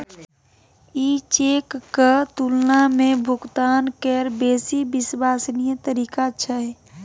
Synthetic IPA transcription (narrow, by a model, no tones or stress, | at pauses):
it͡ʃekːət̪ulnamẽbʱʊɡt̪aːnkeɾbeːsibɪswaːsnijət̪əɾiːkat͡ʃʰəɦɛ